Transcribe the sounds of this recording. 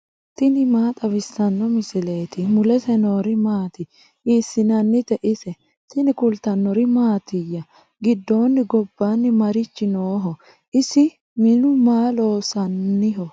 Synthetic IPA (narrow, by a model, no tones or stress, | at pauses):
t̪ɪnɪmaːt̪ʼɐβɪsːɐnːɔmɪsɪle̞ːt̪ɪmʊlɛsɛnoːɾɪmaːt̪ɪ | iːsːɪnɐnːɪt̪ɛʔɪsɛ | t̪ɪnɪkʊlt̪ɐnːɔɾɪmaːt̪ɪjːɐ | ɡɪd̪ːoːnːɪɡɔbːanːɪmɐɾɪt͡ʃːɪnoːɦɔ | ʔɪsɪ | mɪnʊmaːlo̞ːsɐnːɪɦɔ